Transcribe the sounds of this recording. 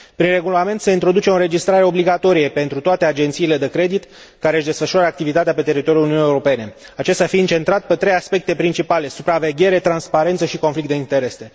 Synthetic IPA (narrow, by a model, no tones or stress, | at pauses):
pɾinre̞ɡulame̞nt̪se̞int̪ɾo̞d̪ut͡ʃe̞oɾe̞d͡ʒist̪ɾaɾe̞o̞bliɡat̪o̞ɾije̞pe̞nt̪ɾut̪oat̪e̞ad͡ʒe̞nt̪siːle̞d̪e̞kɾe̞d̪it̪ | kaɾe̞ɨʃd̪e̞sfəʃuaɾəak̚t̪ivit̪at̪eapet̪e̞ɾit̪oijuluniunijeuɾope̞ne̞at͡ʃe̞st̪ʲafiɨnt͡ʃe̞nt̪ɾat̪pe̞t̪ɾe̞jaspe̞k̚t̪e̞pɾint͡ʃipale̞supɾave̞ɡʲe̞ɾe̞t̪ɾanspaɾent̪səʃiko̞nflik̚t̪d̪eint̪e̞ɾe̞se̞